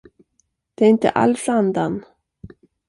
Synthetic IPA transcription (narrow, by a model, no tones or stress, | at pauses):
d̪̥ɛæɾɪnt̪ə̰ʔa̰lfɾand̪an